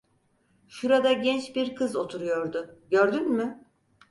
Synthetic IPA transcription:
ʃuɾad̪aɟɛnt͡ʃbiɾkʰɯzo̞t̪ʰuɾujo̞ɾd̪ʊɟø̞ɾd̪ynmʏ

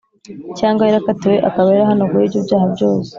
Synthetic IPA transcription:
caːŋɡwajeɾakatiwe̞ʔakaβajeɾaɦanoɡojiːbɟobɟaːhabɟo̞ːse̥

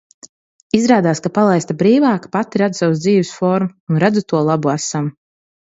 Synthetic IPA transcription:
izɾaːd̪aːskapalˠajst̪abɾiːvaːkpat̪iɾad̪usawsd̪ziːvɛsfɔɾmuunɾad̪zut̪uɔlˠabuasam

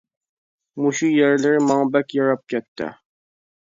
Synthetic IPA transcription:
muʃujɛɾlɪɾɪmɑŋbɛkʲjɑɾɑp̚kʲʰɛt̪ʰːɪ̰

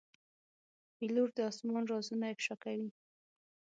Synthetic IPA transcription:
biluɾd̪əɑsmɑnɾɑzunaɪfʃɑkawi

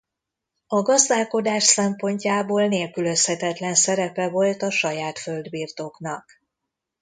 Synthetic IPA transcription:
ɒɡɒzd̪aːlko̞d̪aːʃsɛmpo̞ɲcaːboːlneːlkylø̞shɛt̪ɛt̪lɛnsɛɾɛpɛvo̞lt̪ɒʃɒjaːt̪fø̞ld̪biːrt̪o̞knɒk

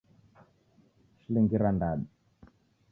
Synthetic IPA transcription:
ʃiliŋɡiɾandaɗi

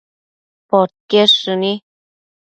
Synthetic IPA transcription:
pot̪̚keʂɨni

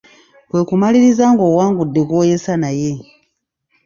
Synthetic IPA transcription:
kwe̞ːkumaliɾizaːŋɡo̞ːwaːŋɡudːe̞ɡo̞ːje̞sanaje̞

